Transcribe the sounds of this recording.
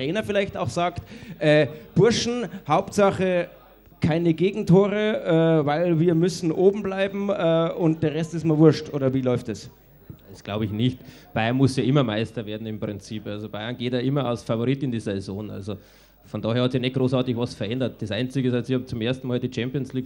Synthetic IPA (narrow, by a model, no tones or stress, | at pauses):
ʁ̥ɛːnɐfɪlaɪçtaʊxz̥aːktʔɛːb̥ʊɐʃn̩haʊptz̥aχə | kʰaɪnəɡeːɡŋ̩tʰoːʁəʔɛːvaɪlviːɐmʏsn̩ʔoːbm̩blaɪbm̩ɛːʔʊnt̚d̥eːɐʁɛstɪstmavʊɐʃtʔo̰ːɾɐviːlɔʏftɛs | d̥esɡ̥laʊbəɪçnɪçtb̥aɪɐnmʊsjɑːʔɪmɐmaɪstɐveːɐdn̩ɪmpʁ̥ɪnt͡siːpʔalzob̥aɪɐnɡ̥eːtjɑːʔɪmɐa̰ʊsfavoʁiːtɪndiːzɛzo̰ːnʔa̰lzo | fɔndɑːheːɐhɑtsjɑːnɛt̚ɡ̥ʁoːsaɐtɪçvɑsfɐʔɛndɐt̚d̥esʔaɪnt͡sɪɡəɪsasihɑːmt͡sʊmʔeɐstn̩mɑːldiːt͡ʃɛmpionsliːk